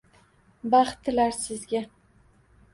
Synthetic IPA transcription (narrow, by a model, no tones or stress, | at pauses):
bɑχt̪ʰːɪlaɾsɪzɡʲa